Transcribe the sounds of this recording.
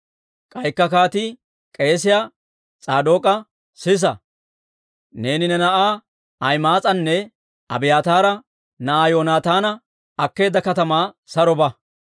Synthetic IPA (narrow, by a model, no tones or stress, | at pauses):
kʼɐjkːɐkaːt̪i | kʼe̞ːs̬ɪjaː | t͡sʼaːd̪o̞ːkʼɐ | sɪs̬ɐ | ne̞ːnɪnɛnɐʔaː | ɐjmaːt͡sʼɐnːɛ | ɐ̰bɪjaːt̪aːɾɐ | nɐʔaːjoːnaːt̪aːnɐ | ɐkːe̞ːd̪ɐkɐt̪ɐmaː | sɐɾɔbɐ